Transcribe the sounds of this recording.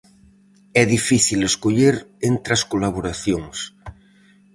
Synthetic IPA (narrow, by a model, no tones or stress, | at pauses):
ɛðifiθileskoʎeɾent̪ɾaskolaβoɾaθjoŋs